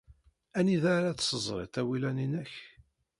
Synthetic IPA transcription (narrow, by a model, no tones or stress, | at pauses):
æniðaɾat̪səzˤɾˤḛt̪æwilæninəç